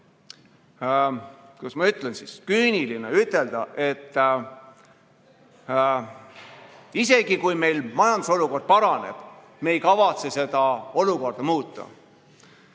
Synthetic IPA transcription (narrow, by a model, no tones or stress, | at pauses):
kusmɑyt̪ːˑlensiskyːnilineyt̪ːˑe̞ld̪̥ɑʔe̞t̪ː | ise̞ɡ̥ikujme̞jlmɑjɑnd̪uso̞luko̞rd̪̥̚pɑɾɑne̞̰b̥ | me̞ːjkɑvɑt̪se̞se̞d̪̥ɑo̞luko̞rd̪̥ɑmuːt̪ːˑɑ̰